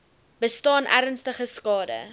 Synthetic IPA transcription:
b̥əstɑːnʔæ̰ɾənstəχəskɑːdə̰

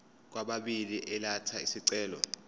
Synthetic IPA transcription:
k̬waɓaɓiliʔɛlatʰaisiǀɛːlɔ̰

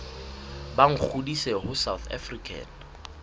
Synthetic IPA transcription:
baŋ̩k͡xʰudisehʊsawθʰa̰frikʰa̰ːn

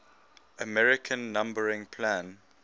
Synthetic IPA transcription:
ʔəmɛɹɪkʰə̃nːãmbəɹɪ̃ŋpʰlãn

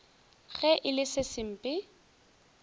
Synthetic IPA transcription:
ɣɛʔɪlɪsɪsɪm̩pʼɪ

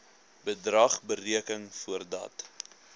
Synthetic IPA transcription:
bədrɐχbəriəkəŋfuərdɐ̰t

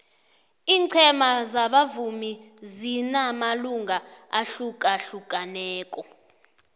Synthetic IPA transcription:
iːǀʰɛmazaɓavumizinamaluŋɡʱaaɬukʼaɬuk̬ʼanɛːkʼɔ

